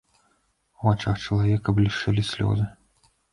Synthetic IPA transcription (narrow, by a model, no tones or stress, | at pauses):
wat͡ʂaxt͡ʂɐlˠavʲɛkɐblʲiʂɨlʲisʲlʲɔ̰zɨ